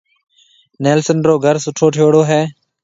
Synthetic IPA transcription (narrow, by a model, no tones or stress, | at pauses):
neːlsənɾoːɡʱəɾsʊʈʰoːʈʰoːɽoːɦɛː